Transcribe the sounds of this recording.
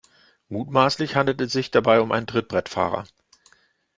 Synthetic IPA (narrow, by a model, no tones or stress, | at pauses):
muːtmaːslɪçhandl̩tɛsz̥ɪçd̥abaɪʊmʔaɪn̩dʁɪt̚b̥ʁɛtfa̰ːʁɐ̰